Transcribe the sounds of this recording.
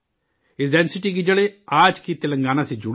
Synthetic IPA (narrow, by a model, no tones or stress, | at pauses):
ɪsɖɛnsɪʈiːɡiːd͡ʒəɽeːaːd͡ʒkiːt̪elə̃ŋɡaːnaːsiːd͡ʒʊɽ